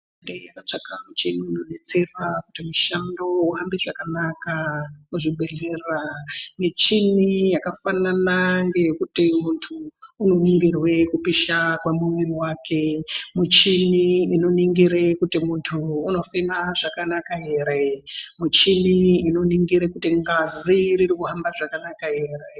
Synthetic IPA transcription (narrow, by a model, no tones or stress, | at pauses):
ndejakat͡ʂakʰamut͡ʃiniːno̞ɗe̞t͡se̞rakutimuʃandouɦambiʐakanakauʐiɓe̞leramit͡ʃinijakafananaŋɡe̞jkutimuntʰuːno̞niŋɡirwe̞kupiʃakwamuwiriwaːkʰe̞mit͡ʃiniino̞niŋɡiɾekutimuntʰuːno̞fimaʐakanakaɦe̞ːɾemut͡ʃiniino̞niŋɡiɾekutiŋɡaziriɾikuɦambaʐakanakaɦe̞ːre